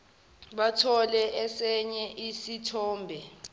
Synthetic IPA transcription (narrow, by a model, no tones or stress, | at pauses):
ɓatʰɔlɛʔɛsɛɲɛʔisitʰɔːmbʱɛ